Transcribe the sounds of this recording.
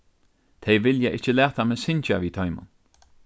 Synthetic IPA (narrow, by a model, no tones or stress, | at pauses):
t̪ʰejvɪljaʔɪt͡ʃəlɛːt̪ʰamɛsɪnt͡ʃaviːt̪ʰɔjmʊ̰n